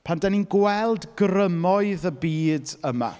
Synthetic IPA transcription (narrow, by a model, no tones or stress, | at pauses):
pʰandɛninɡwɛlˠdɡrəmɔɨðəbiːdəma̰